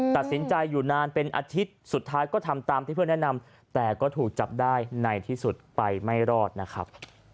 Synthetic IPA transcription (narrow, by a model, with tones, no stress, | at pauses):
t̪a˨˩t̪̚si˩˦nt͡ɕa˧jːuː˨˩naː˧npe˧nʔa̰ː˧t̪ʰi˦˥t̪̚su˨˩t̪ʰːaː˦˥jkɔː˥˩t̪ʰa˧mt̪aː˧mt̪iː˥˩pʰɯ˥˩ənɛ˥ʔna˧m | t̪ɛː˨˩kɔː˥˩t̪ʰuː˨˩k̚t͡ɕa˨˩p̚daː˥˩jna˧jt̪ʰiː˥˩su˨˩t̪̚pa˧jma˥˩jɾɔː˥˩t̪̚na˦˥kʰɾa̰˦˥p̚